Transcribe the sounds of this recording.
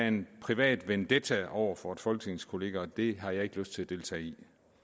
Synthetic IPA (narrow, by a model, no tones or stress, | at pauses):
enpʰʁiʋɛ̰ːd̥ʋend̥et͡sʰæɒʊ̰ɐfɒed̥fɒ̽lɡ̥ne̝ŋskʰo̝le̝ːɡ̥æɒd̥e̝ɦɑ̈jɑ̈e̝ɡ̥əløsd̥t͡sʰe̝læd̥e̝lt͡sʰɛ̰ːi